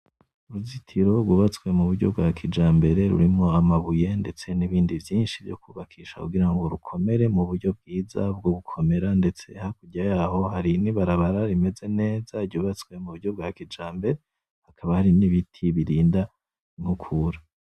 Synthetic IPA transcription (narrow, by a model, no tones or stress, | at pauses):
uɾuzitʰiɾo̞ɾɡuβat͡swe̞muβuɾɟo̞̰b̚ɡakʰid͡ʒaːmbe̞ɾe̞ɾṵɾimŋo̞amaβuje̞nde̞t͡se̞niβiːndivjiːnʃivjo̰kuβakʰiːʃa̰kuɡiɾaŋɡo̞ɾukʰo̞me̞ɾe̞muβuɾɟo̞b̚ɡiːzabɡoβukʰo̞me̞ɾande̞t͡se̞hakuɟajaːho̞haɾiniβaɾaβaɾaɾime̞ze̞ne̞ːzaɾɟuːβat͡skwe̞muβuɾɟo̞b̚ɡakid͡ʒaːmbe̞ɾe | hakʰaβahaɾiniβitʰiβiɾiːnda | imhukʰuːɾa